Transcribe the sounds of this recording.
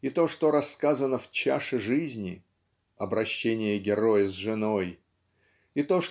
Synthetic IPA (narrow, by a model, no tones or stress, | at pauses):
it̪o̞ʂt̪oɾɐsːkazənəft͡ɕa̰ʂɨʐɨzʲnʲɪ | ɐbɾɐɕːenʲɪjəɡʲɪɾo̞jəzʐɨno̞j | it̪o̞ʂ